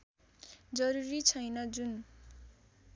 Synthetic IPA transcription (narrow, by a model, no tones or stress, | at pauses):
d͡zʌɾuɾit͡sʰʌjnʌd͡zun